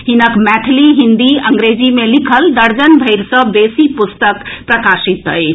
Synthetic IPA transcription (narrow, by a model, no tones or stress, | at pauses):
ɦinəkmɛt̪ʰliɦind̪iəŋɡɾed͡ʒimelikʰəld̪əɾd͡ʒənbʱəɪɾsə̃besipust̪əkpɾəkasit̪ɦə̰j